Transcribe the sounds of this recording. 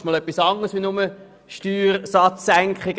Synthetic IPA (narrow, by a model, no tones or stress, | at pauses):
mɔlœpːisɑŋəsʋinʊmə | ʃtyːɾsɑtt͡sːæŋkχɪɡ